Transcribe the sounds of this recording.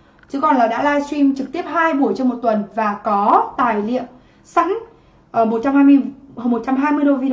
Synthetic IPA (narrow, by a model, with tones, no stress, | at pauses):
t͡ɕɨ˨˦kɔ˨˩nlaː˨˩ɗa̰ː˧˥laː˧jswi˧mt͡ɕɨ˨˩k̚t̪i˦˥əp̚haː˧jɓu˧˩əjt͡ɕɔ˧ŋ͡mmo˨˩t̚t̪wə˨˩nvaː˨˩kɔ˨˦t̪aː˨˩jlḭ˧˨əm | sa̰˧˥ŋ | ʔəː˧˩mo˨˩t̚t͡ɕa˧mhaː˧jm˧ə˧˩mo˨˩t̚t͡ɕa˧mɦaː˧jmɨ˧əjɗo˧vi˧